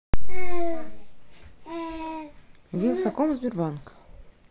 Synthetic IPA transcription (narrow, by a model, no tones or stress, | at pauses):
vʲinʲsɐkomzʲbʲɪrbank